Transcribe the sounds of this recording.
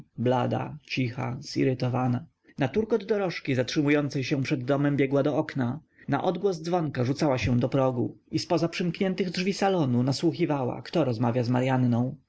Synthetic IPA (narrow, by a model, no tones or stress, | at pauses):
blad̪a̰t͡ɕixa̰z̥ḭɾɘt̪ɔvana | nat̪uɾkɔd̪ːɔɾɔʂkʲizatʂɘmujɔnt̪sɛjɕɛ̃pʂɛd̪ːɔmɛmbʲjɛɡwad̪ɔɔkna | na̰ʔɔd̪ɡwɔzd̪zvɔŋkaʐut̪sawaɕɛ̃d̪ɔpɾɔɡuispɔzapʂɘmkɲɛnt̪ɘɣdʐvʲisalɔnunaswuxʲivawa̰kt̪ɔɾɔzmavʲjazmaɾjanːɔ̃w̃